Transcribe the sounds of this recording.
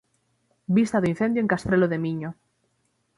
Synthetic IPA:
bist̪aðoin̟θend̪joeŋkast̪ɾeloðemiɲo

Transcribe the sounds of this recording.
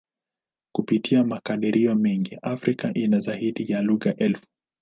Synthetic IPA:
kupitʰiamakaɗiɾʔiɔmɛŋɡiʔafɾikaʔinazahiɗijaluɣaʔɛlfu̥

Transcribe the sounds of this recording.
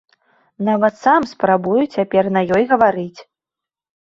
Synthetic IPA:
navɐt̪samspɾabujut͡sʲapʲɛrnɐjɔjɣɐvaɾɨt͡sʲ

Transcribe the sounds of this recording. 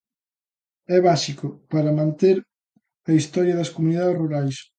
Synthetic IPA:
ɛβasikʊpaɾɐmãnt̪eɾ | ɐist̪ɔɾjɐðɐskomuniðaðeruɾajs

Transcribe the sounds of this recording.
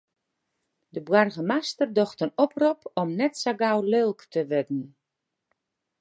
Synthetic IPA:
dəbwarɣəmastərdɔxtənɔprupʰɔmnɛtsaɡawlølˠktʰəʋɪdn̩

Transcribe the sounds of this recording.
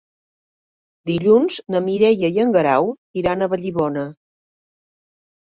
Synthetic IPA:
d̪iʎunznəmiɾɛjəjəŋɡəɾaw | iɾanəβəʎiβɔnə

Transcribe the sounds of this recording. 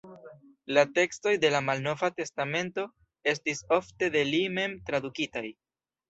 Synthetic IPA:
late̞ksto̞jde̞lamalno̞vate̞stame̞nto̞ | e̞stiso̞fte̞de̞lime̞mtɾad̪ukitaj

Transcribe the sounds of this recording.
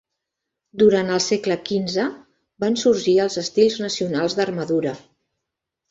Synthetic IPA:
d̪uɾant̪əlˠsɛkləkinzə | bansuɾʒiəlˠzəst̪ilˠznəsiunalˠzd̪ərməðuɾə

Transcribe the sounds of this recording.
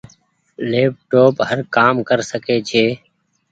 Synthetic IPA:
leːp̚ʈoːpɦəɾkaːmkəɾsəkeːt͡ʃʰeː

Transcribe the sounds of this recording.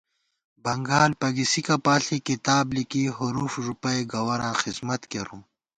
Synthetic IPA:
bɐŋɡaːlpɐɡisikɐpaːɬikit̪aːblikiːɦuɾuːfʐupɐjɡɐwɐɾãːxizmɐt̪keɾũː

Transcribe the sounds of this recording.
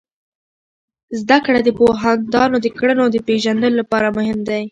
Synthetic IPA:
zd̪akɽad̪əpoɦand̪ɑnod̪əkɽənod̪əpeʒand̪əlolapɑɾamʊhɪmd̪aj

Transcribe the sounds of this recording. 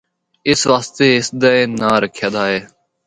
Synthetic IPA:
ɪsʋaːst̪eːɦɪsd̪əeːnaːɾəkʰjaːd̪aːɦeː

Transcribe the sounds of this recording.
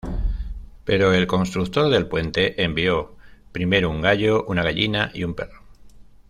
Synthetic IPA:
pe̞ɾo̞e̞lko̞nst̪ɾukt̪o̞ɾðe̞lpwe̞nt̪e̞ʔembio̞pɾime̞ɾouŋɡaʎo̞ʔunaɣaʎinaʔḭumpe̞ro

